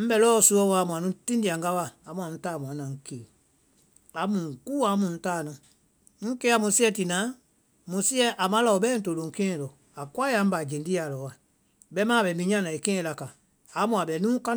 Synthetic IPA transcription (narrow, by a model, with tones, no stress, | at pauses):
m̩˦bɛ˧˦lɔː˦˨su˧˦ɔ˦wa˨mũ˨ã˨nũ˨˦tĩ˦ndi˨a˨ŋ˦ɡa˦waː˨mũ˧˦ã˨ñ̩˦taː˦˨mũ˨ã˨˦nã˨ŋ̩˦ke˨ | a˨˦mũ˨ŋ˨kuː˦a˨˦mũ˨n̩˦taː˦˨nɔ̃˨ | ŋ̩˦ke˦a˦˨mũ˨˦si˦ɛ˧ti˨nãː˨˦ | mũ˨si˦ɛ˦ʔa˨mã˦la˨o˨ɓɛː˦n̩˦to˨lõ˨ŋ̩˦kɛ̃ː˦˨lɔ˨ | a˨kwa˦ja˨˦m̩˦ba˨d͡ʒẽ˨ndi˦a˨lɔ˨˦wa˨ | ɓɛ˦mãː˦˨ɓɛ˨mĩ˧˦ɲã˦nã˨i˨kɛ̃ː˦˧la˨ka˨ | a˨˦mũ˨a˨ɓɛ˨nũː˦ka˦